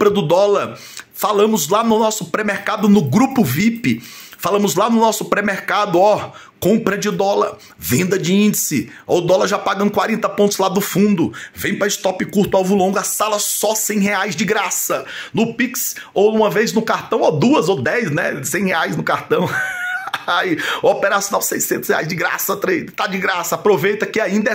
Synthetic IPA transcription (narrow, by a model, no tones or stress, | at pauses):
pɾɐd̪ʊd̪ɔlɐɾ | falɐ̃mʊzlanʊnɔsʊpɾemeɾkad̪ʊnʊɡɾupʊvipɪfalɐ̃mʊzlanʊnɔsʊpɾemeɾkad̪ʊɔ | kõmpɾɐd͡ʒɪd̪ɔlɐɾ | vẽnd̪ɐd͡ʒɪĩnd͡ʒɪsɪ | o̰d̪ɔlɐɾʒapaɡɐ̃nkwaɾẽnt̪ɐpõnt̪ʊzlad̪ʊfũnd̪ʊvẽj̃pɾɐɪst̪ɔpɪkuɾt̪ʊawvʊlõɡʊasalɐsɔsẽj̃heajzd͡ʒɪɡɾasɐnʊpiks | owũmɐvejznʊkaɾt̪ɐ̃w̃od̪uɐzowd̪ɛjznɛ̰sẽj̃heajznʊkaɾt̪ɐ̃w̃ | ajopeɾasjonawsejsẽnt̪ʊ̥shea̰jzd͡ʒɪɡɾa̰sɐt̪ɾejt̪ad͡ʒɪɡɾasɐapɾovejt̪ɐkɪaĩnd̪ɐɛ